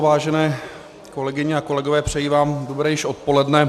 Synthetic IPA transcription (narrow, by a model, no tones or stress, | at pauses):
vaːʒɛnɛː | ko̞lɛɡɪɲɪako̞lɛɡovɛːpr̝̥ɛjiːvaːmdobɾɛːjɪʃʔo̞t̪̚po̞lɛdnɛ